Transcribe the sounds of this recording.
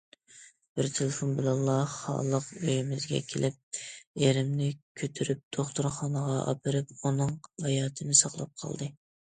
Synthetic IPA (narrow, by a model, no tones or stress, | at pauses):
b̥ɪɾt̪ʰelɪfonbɪlɑlˠːɑχɑ̰lˠəqøjymɪzɡʲɛ̰kʲʰelʔɪp̚eɾɪmnɪkʲʰøt̪ʰyɾyp̚d̪̥oχt̪uɾχɑnəʁɑʔɑ̰pʰɨɾɨpunɨŋhɑjɑːt̪ʰɨnɪsɑqlˠɑp̚qʰɑ̰lˠd̪ɨ